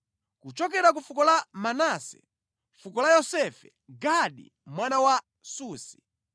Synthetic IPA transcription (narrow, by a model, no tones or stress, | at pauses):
kut͡ʃɔkɛɾak̬ufukɔlamanasɛ̥̰ | fukɔlajɔsɛfɛ | ɡaɗḭ | mwanawa | suːsi̥